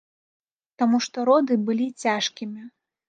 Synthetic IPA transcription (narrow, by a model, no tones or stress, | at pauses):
t̪amuʂt̪ɔɾɔd̪ɨbɨlʲit͡sʲaʂkʲimʲi